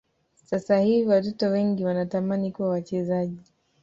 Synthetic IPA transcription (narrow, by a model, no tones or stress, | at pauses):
sasahiviwatɔtɔwɛŋɡiwanatamanikuwawat͡ʃɛzaʄi